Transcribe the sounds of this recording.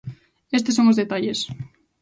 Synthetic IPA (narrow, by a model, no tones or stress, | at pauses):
est̪esːoŋozðet̪aʎes